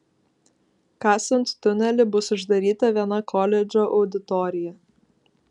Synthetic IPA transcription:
kɑːsʲɔnʲt̪t̪ːʊnʲɛlʲɪbʊsʊʒd̪ɐɾʲiːt̪ɐʋʲiɛnɐkʰɔlʲɛd͡ʒʲoːʔɒʊd̪ʲɪt̪ɔːɾʲɪjɛ

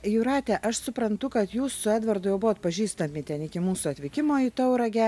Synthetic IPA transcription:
jʊɾɑːt̪ʲɛʔɐʃsʊpɾɐnt̪ʊkɐt̪juːssʊæːd̪ʋɐrd̪ʊjɛʊbʊʋoːt̪̚pɐʒʲiːst̪ɐmʲɪt̪ʲɛnɪkʲɪmuːsʊɐt̪ʲʋʲɪkʲɪmoːit̪ɐʊɾɐɡʲɛ

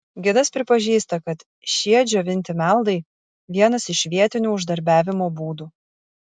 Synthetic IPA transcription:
ɡʲɪd̪ɐspʲɾʲɪpɐʒʲiːst̪ɐkɐt̪ | ʃʲiɛd͡ʒʲoʋʲɪnʲt̪ʲɪmʲælˠd̪ɐɪ | ʋʲiɛnɐsɪʃʋʲiɛt̪ʲɪnʲuːʊʒd̪ɐɾʲbʲæːʋʲɪmoːbuːd̪uː

